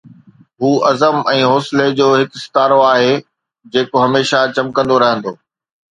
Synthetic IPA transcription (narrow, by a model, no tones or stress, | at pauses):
ɦuːʔɐzəmɛ̃ːɦoːsɪled͡ʑoːɦɪksɪ̥t̪aːɾoaːɦe | d͡ʑeːkoɦɐmeːʃat͡ɕɐmkə̃nd̪oɾɐɦə̃nd̪oː